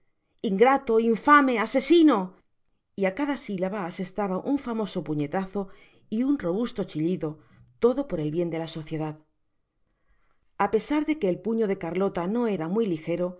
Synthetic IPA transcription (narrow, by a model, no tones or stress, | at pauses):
iŋɡɾat̪o̞iɱfame̞ase̞sino̞ | iakaðasilaβaːse̞st̪aβaʔuɱfamo̞so̞puɲe̞t̪aθo̞ | iunro̞βust̪o̞t͡ʃiʎiðo̞ | t̪o̞ðo̞po̞ɾe̞lβje̞nd̪e̞laso̞θje̞ð̞að | ape̞saɾðe̞ke̞ːlpuɲo̞ðe̞kaɾlo̞t̪ano̞e̞ɾamwilixe̞ɾo̞